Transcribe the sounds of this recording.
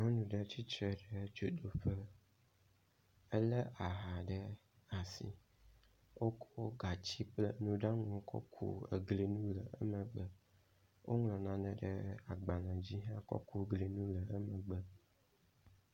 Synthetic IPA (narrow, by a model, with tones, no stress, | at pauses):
ŋɔ˦nũ˨ɖɛ˦t͡ɕi˦t͡ʃɾɛ˨ɖɛ˦d͡ʒo˨d̪o˨ɸə˦ | ɛ˦lɛ˦a˨ɦa˨ɖɛ˦ | a˨sḭ˨ | wʔo˦kʰo˦o˦ɡa˨t͡ɕi˦plɛ˦nũ˦ɖa˦ŋɔ̃˨kʰɔ̰˦kʰṵ˦ḛ˨ɡle˨nũ˦lɛ˨ʔə̰˦mɛ˨ɡ͡bə˨ | wʔo̰˦ŋlɔ̃˨nã˨nɛ̃˨ɖɛ̰˦a˨ɡ͡ba˨nã˨d͡ʑi˦ɦã˦kɔ̰˦ku˦ɡle˨nũ˦lə˨ɛ˦mɛ̃˨ɡ͡bə˨